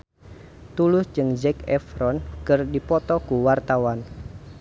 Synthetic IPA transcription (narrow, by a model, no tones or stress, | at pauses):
t̪ulʊsd͡ʒɨŋd͡ʒɛkɛfɾɔnkɨrdipɔt̪ɔkuwart̪awan